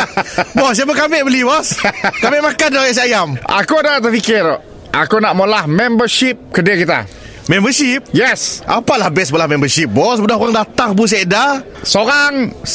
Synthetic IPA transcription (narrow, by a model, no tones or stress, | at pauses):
bɔsiabəkamɪʔbəlibɔskamɪʔmakandɔhjɛʔs̬iajamʔa̰kudat̪əfikɪɾɔ | ʔakunaʔmolahmɛ̃mbəʃip̚kədakit̪a̰ | mɛ̃mbəʃip̚jɛsʔa̰palahbɛsməlahmɛ̃mbəʃip̚bɔsbədahkuɾaŋdat̪aŋbus̬ɛda | soɾaŋ